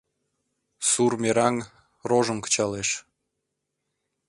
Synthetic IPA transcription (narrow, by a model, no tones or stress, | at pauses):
surmeɾɑŋ | roʒə̆nkə̥t͡ɕɑleʃ